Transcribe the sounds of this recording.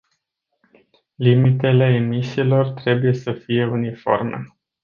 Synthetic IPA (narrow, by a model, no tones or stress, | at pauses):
limit̪e̞le̞ːmisiːlo̞rt̪ɾe̞buje̞səfije̞unifo̞̰rmḛ